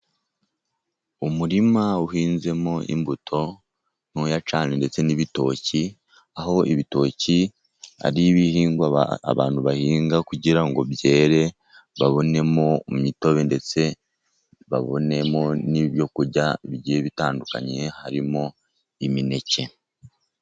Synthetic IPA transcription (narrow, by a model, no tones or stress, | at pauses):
umuɾimauhiːnze̞moʔḭmbutʰo̞ | nojat͡ʃaːnende̞t͡se̞niβito̞ːci | aho̞iβito̞ːci | a̰ɾiβihiːŋɡa̰βa̰ːnhuβahiːŋɡakuɟiɾaŋɡo̞bje̞ːɾe̞ | βaβo̞ne̞momito̞βe̞nde̞t͡se̞ | βa̰βo̞̰ne̞mo̞niβjo̞kuɾɟaiβiɟieβitaːnduka̰ɲe̞haɾimo̞ | imine̞ce̞